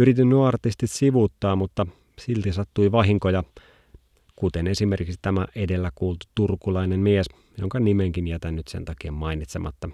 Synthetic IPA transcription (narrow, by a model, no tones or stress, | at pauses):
yɾit̪inːyɑrt̪ist̪it̪siʋut̪ːɑːmut̪ːɑ | silt̪isɑt̪ːuiʋɑɦiŋkojɑ | kut̪enesimerkikst̪æmæʔedelːækuːlt̪u̥t̪urkulɑinemmies | joŋkɑnimeŋkinjæt̪ænːyt̪sḛnt̪ɑkiːmmɑinit̪semʔɑ̰t̪ːɑ